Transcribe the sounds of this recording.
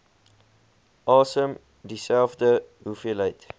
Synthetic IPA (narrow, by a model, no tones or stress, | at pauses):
ʔɑːsəm | disælˠfdəɦufeəlɦəjt